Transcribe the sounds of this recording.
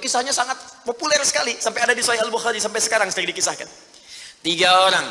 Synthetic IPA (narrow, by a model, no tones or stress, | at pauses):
kisahɲasaŋat̪̚populɛrsə̥kalisampajadadisuajalbuxaɾisampajsə̥kaɾaŋsəkaɡdikisahka̰n | t̪iɡaoɾaŋ